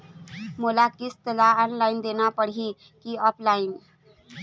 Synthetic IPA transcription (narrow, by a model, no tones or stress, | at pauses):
molakist̪əlaənlaind̪enapəɽɦi | kiəplain